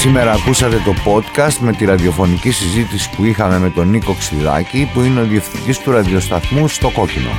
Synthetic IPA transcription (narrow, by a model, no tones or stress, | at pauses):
sime̞ɾɐːkusɐt̪e̞t̪o̞po̞t̪kɐst̪me̞t̪iɾɐðio̞fo̞nicisizit̪isi̥puixɐme̞me̞t̪o̞niko̞ksilɐ̰cipuineo̞ðie̞fθind̪ist̪uɾɐðio̞st̪ɐθmust̪o̞ko̞cino̞̰